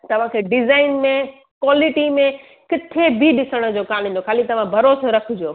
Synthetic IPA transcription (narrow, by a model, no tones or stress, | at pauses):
t̪ɐʋ̤ãkʰeːɖɪzaːɪnmẽ | kwaːlɪʈimẽ | kɪt̪ʰebʱiɗɪsəɽ̃ə̆d͡ʑoːkaːmĩːnd̪okʰaːlit̪ɐʋ̤ãbʱɐɾoːsoɾɐkʰʊd͡ʑioː